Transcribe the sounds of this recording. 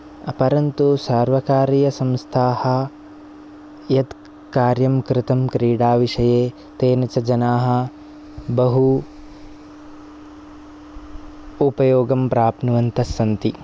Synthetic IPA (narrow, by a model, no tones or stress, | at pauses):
pɐɾɐnt̪usaːɾʋɐkaːɾijɐsɐ̃mst̪ʰaːhɐ̆ | jɐd̪ | kaːɾjɐmkɾɪt̪ɐmkɾiːɽaːʋiʂɐjeː | t̪eːnɐt͡ʃɐd͡ʒɐnaːɦɐ̆ | bɐɦu | upɐjoːɡɐmpɾaːpnuʋɐnt̪ɐsɐnt̪i